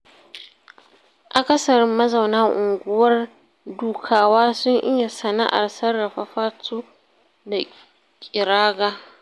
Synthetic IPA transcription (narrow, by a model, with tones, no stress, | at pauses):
ʔa˨kɐ˦sɐ˨ɾɪ˦mːɐ˦za˨wnaː˦ʔʊ˨ŋɡʷʊ˦wɐ˦r | duː˨kʰaː˨waː˦sʊ˦ŋʔɪ˦ja˨sɐ˨na̰˦ʔa̰˨rsɐ˦rːɐ˨ɸa˦ɸaː˦tʰuː˦ | da˨ | kʲʼɪ˨ɾaː˦ɡaː˦